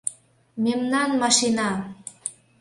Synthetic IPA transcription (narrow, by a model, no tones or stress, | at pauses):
memnɑnmɑʃinɑ